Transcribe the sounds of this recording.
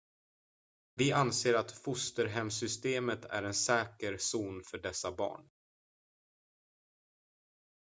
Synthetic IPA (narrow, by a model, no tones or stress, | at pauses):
vɪʔanseːɾat̪fʊst̪əɾɦɛmsʏst̪eːmət̪ʰæ̰ɾɛnsɛːkəɾsuːnfœɖɛsabɑ̰ːɳ